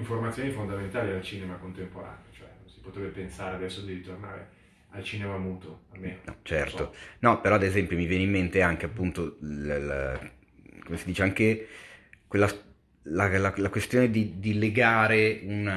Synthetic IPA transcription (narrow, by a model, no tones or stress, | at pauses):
iɱformat̪sjonifond̪ament̪aːlialt͡ʃiːnemakont̪empoɾa̰ːneot͡ʃoɛnonsi̥pɔot̪ːɾɛbepensaːɾead̪ɛsːod̪iɾit̪orna̰ːɾḛ | alt͡ʃiːnemamuːt̪oamːenonɔ̰t͡ʃɛ̰rt̪onɔpeɾɔad̪ezɛmpjomivjɛːneimːent̪eaŋk̟eapːunt̪oll | komesid̪iːt͡ʃeaŋke | kwelːa | lalalakwest̪joːned̪id̪ileɡaːɾeun